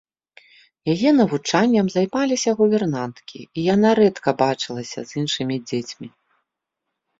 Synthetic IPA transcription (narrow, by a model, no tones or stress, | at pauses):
jajɛnɐvut͡ʂanʲːɐmzajmalʲisʲɐɣubʲɛrnant̪kʲḭijanaɾɛt̪kɐbat͡ʂɨlˠɐsʲɐ̰zinʂɨmʲid͡zʲet͡sʲmʲi